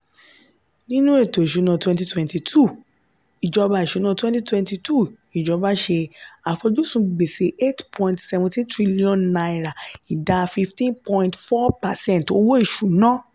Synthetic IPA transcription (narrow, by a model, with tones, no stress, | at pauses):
nĩ˦nũ˦e˦˨to˨ʃu˨˦nã˧twɛ̃˧nti˧twɛ̃˨nti˧tʰu˦˨ | i˨d͡ʒɔ˨˧ba˧˨i˨ʃu˨˦nã˦˧twɛ̃˦ti˦twɛ̃˧nti˧tʰu˦˨i˨d͡ʒɔ˨˧ba˦ʃe˧a˨fo˧d͡ʒu˦sũ˧ɡ͡be˨se˧˦e˦tpʰɔ̃˧ĩntsɛ˧vɔ̃˧tĩ˦tɾi˦li˦ɔ̃˦˧nna˨˧i˨ɾa˨i˨da˧fi˧ftĩ˦npɔ̃˧ĩ˧ntfɔ˦pa˨sɛ̃˦n˨to˧wo˦i˦˨ʃu˨˦nã˦